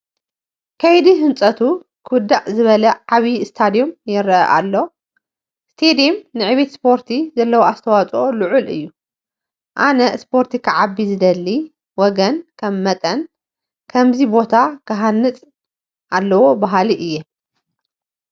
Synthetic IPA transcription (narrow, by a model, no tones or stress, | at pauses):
kʰɐjd̪iɦɨnt͡sʼɐt̪ʰu | kʰɨwɨd̪ːaʔzɨβɐlɐʕaβist̪ʰad̪ijo̞mjɪɾɐɐ̰ʔa̰lːo̞ | st̪ʰed̪iomnɨʕɨβe̞t̪spʰo̞ɾt̪ʰizɐlːɐwoast̪ʰɐwat͡sʼoluʕulɨ̰jːu | ʔanɐspʰo̞ɾt̪ʰikʰɐʕabːizɨd̪ɐlːi | wɔɡɐnkʰɐmːɐt̪ʼɐn | kʰɐmzibo̞t̪ʰakʰɐɦanːɨt͡sʼ | ʔalːɐwo̞baɦaliʔɨjːe